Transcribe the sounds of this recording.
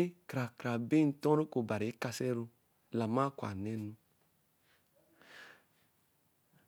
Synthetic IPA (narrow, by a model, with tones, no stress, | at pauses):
e˦kɾa˨kɾa˨be˦n̩˦tɔ̃˦ɾo˦ko˨ba˨ɾi˨e˦ka˦sɛ˦ɾo˦ | la˨mã˦kwa̰˨nɛ˦nũ˦